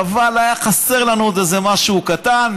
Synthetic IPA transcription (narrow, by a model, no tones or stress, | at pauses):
valajaχase̞ʁlanuot̪ezemaʃuːkat̪an